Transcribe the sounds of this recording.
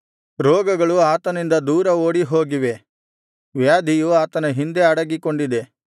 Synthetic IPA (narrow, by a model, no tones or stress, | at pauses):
ɾɔːɡɐɡɐɭuaːt̪ɐnind̪ɐd̪uːɾɐoːɽiɦoːɡiʋe̞ | ʋjaːd̪ʱijuaːt̪ɐnɐɦind̪e̞ɐɽɐɡikoɳɖid̪e̞